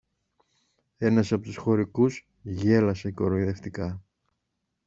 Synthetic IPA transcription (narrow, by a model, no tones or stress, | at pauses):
e̞nɐsɐpo̞t̪usxo̞ɾikuz | ʝe̞lɐse̞ko̞ɾoiðe̞ft̪ikɐ